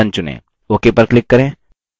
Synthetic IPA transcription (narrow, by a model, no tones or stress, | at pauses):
ɐ̃nt͡ʃʊnḛ̃ː | okepɐɾklɪkːɐɾẽː